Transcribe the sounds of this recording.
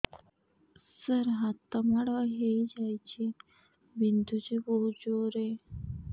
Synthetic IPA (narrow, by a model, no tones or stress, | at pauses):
səɾɦat̪əmaɽaɦeid͡ʑajt͡ɕi | bind̪ud͡ʑibowd͡ʑoɾe